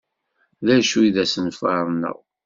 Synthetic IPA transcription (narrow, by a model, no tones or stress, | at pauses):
ðæʃuiðæsənfɑɾˤnːə̰ʁ